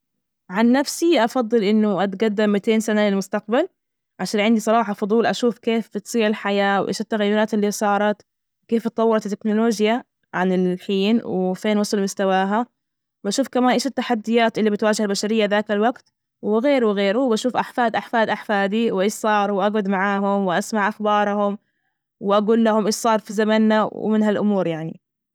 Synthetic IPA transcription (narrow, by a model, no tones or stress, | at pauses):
ʕanːafsiʔɑfɑd̪ˤːɨlʔɪnːʊʔat̪ɡad̪ːamːɪt̪eːnsanalɪlmʊst̪aq̚bal | ʕaʃaːnʕɪnd̪isˤɑɾˤɑːħɑfʊd̪ˤuːlʔaʃuːfkeːfbɪt̪sˤiːɾɪlħajaːwʔḛːʃat̪ːaɣajːʊɾɑːt̪ɪlːisˤɑːɾˤɑt̪ | wɪkeːft̪ːˤɑwːɑɾˤɑt̪t̪ːɪknʊloːʒja | ʕanɪlħiːnwɪfeːnwɑsˤɑlmʊst̪awaːɦa | baʃuːfkamaːnʔeːʃɪt̪ːaħad̪ːɪjaːt̪ʔɪlːibɪt̪waːd͡ʒɪhalbaʃaɾɪjːaðaːkɪlwaɡt̪ | wɪɣeːɾwɪɣeːɾuwbaʃuːfʔaħfaːd̪ʔaħfaːd̪ʔaħfaːd̪iwʔɪʃsˤɑːɾˤuwʔaɡʊd̪maʕaːɦʊmwʔasmaʕʔaxbɑːɾˤhʊm | wɪʔaɡuːlːahʊmʔɪʃsˤɑːɾˤfizamanːawɪ̰mɪnɦalʔʊmuːɾjaʕnḭ